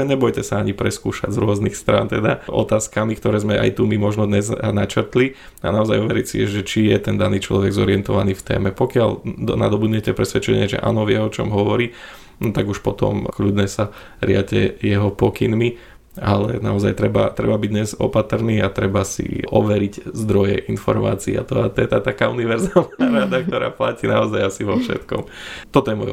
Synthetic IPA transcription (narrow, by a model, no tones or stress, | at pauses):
ɲɛbɔjcɛsaaɲipɾɛskuːʃaɟzɾʊɔznixst̪ɾa̰ːnt̪ɛd̪aʔɔ̰t̪aːskamikt̪ɔɾɛːzmɛʔa̰jt̪umimɔʒnɔd̪ɲɛznat͡ʃɾt̪li | anaɔzajɔʋɛɾicsḭɛʒɛt͡ʃijɛt̪ɛnd̪aniːt͡ʃlɔʋɛɡzɔɾiɪɛnt̪ɔʋaniːft̪ɛ̰ːmɛpɔkɪalna̰d̪ɔbud̪ɲɛcɛpɾɛsʋɛt͡ʃɛɲɪɛʒɛ̰ʔa̰nɔʋjɛɔt͡ʃɔmɦɔʋɔɾiː | t̪aɡuʃpɔt̪ɔ̰mklʎud̪ɲɛsa | ɾɪacɛ̰jɛɦɔpɔkinmi | alɛ̰naɔzajt̪ɾɛba̰t̪ɾɛbabiɟdɲɛzɔpat̪r̩niːat̪ɾɛbasḭʔɔʋɛɾiczd̪ɾɔjɛ̰ʔinfɔ̰ɾma̰ːt͡siːa̰t̪ɔat̪ɔjɛt̪at̪akaːuniʋɛɾzaːlnaːɾad̪ak̚t̪ɔɾa̰ːplaciːnaɔzajasiʋɔfʃɛ̰t̪kɔ̰mt̪ɔt̪ɔjɛmɔj